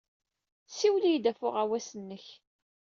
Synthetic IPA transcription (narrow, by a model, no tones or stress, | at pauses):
siwlijd̪æfʊʁæwæsənːəç